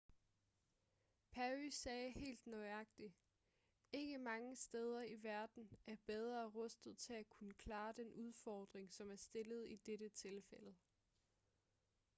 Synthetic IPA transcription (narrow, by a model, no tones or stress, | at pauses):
pʰæysɛːhe̝̰ːld̥nœɪɑ̈ɡ̥̚d̥i | e̝ɡ̥əmɑ̈ŋəsd̥eːð̞ˠɐiʋæɐd̥n̩ʔæɐb̥eð̞ˠʁɐːʁœsd̥ð̩ˠt͡sʰe̝ækʰunəkʰlɑ̈ːd̥enuð̞ˠfɒːd̥ʁeŋsɒ̽mæɐsd̥e̝ləð̞ˠid̥eɾ̥ət͡sʰe̝lfel̰ə